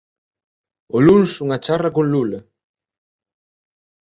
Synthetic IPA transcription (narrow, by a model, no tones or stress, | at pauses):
olunsuŋat͡ʃarɐkonlula